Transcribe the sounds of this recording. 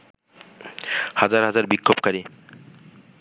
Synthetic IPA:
had͡ʑaɾɦad͡ʑaɾbikʰːobkaɾi

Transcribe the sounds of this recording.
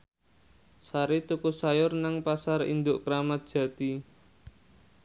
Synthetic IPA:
saɾit̪upusajʊrnaŋpasaɾḭnd̪ʊʔkɾamat̪̚d̥ʒ̥ä̤t̪i

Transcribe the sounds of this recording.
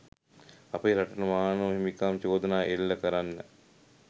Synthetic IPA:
apəɾaʈənəmaːnəɦimikaːmt͡ʃoːd̪ənaːʔelːɐkəɾanːə̰

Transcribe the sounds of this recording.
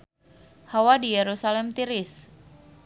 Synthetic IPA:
hawadijɛɾusalɛmt̪iɾɪs

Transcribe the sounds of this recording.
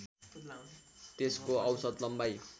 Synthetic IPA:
t̪eskoʌwsʌd̪lʌmbaj

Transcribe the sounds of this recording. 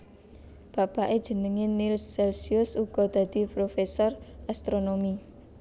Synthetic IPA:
b̥a̤paʔed̥ʒ̥ə̤nəŋenilsːɛlsiʊsuɡ̥ɔ̤d̪̥ä̤d̪̥i̤pɾofesɔrast̪ɾonomi

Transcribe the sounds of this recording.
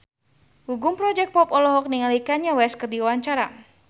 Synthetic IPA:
huɡumpɾɔd͡ʒɛk̚pɔpɔlɔɦɔk̚niŋalikaɲawɛskərdiwawaɲt͡ʃaɾa

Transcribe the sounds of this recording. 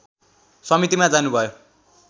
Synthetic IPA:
sʌmit̪imad͡zanubʱʌjo

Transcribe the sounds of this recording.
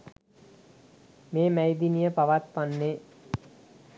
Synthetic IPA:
meːmæjd̪inijəpaʋat̪panːe

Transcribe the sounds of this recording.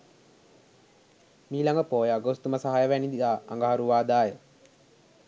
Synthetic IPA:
miːlaŋɡəpoːjəaɡost̪uməsaɦajəʋænid̪id̪aːŋɡəɦaɾuʋaːd̪aːjə

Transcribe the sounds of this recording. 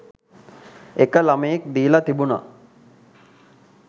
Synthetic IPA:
ekəlaməjek̚d̪iːlat̪ibuna̰

